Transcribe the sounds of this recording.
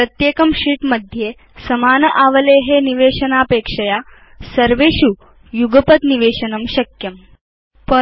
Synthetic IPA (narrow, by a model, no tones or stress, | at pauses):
pɾət̪jekəmɕiːʈməd̪ʱje | səmaːnəʔaʋəleɦeniʋeɕənapekʂɐja | səɾʋeɕu | juɡəpət̪niʋeʂənəmɕɐkjəm | pə